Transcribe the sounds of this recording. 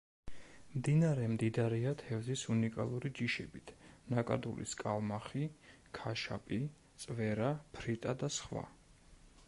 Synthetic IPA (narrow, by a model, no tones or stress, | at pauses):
md̪inaɾɛmd̪id̪aaɾɛat̪ʰɛvzisunikʼa̰lˠuɾid͡ʒiʃɛbit̪ʰnakʼa̰d̪ulḭskʼalˠmaχi | kʰaʃa̰pʼi | t̪sʼvɛɾapʰɾit̪ʼad̪asχwa̰